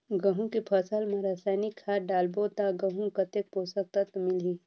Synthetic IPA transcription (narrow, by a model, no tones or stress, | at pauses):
ɡɐɦũkepʰɐsəlmẽɾaːsaːnikʰːaːɾɖaːlbot̪aɡɐɦũkɐt̪ek̚poːsək̚t̪at̪mɪliː